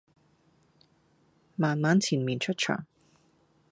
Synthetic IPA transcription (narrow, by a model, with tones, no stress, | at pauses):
maː˨nmaː˨˥nt͡sʰiː˨˩nmiː˨nt͡ʃʰɵ˥t̚t͡ʃʰœ̰ː˨˩ŋ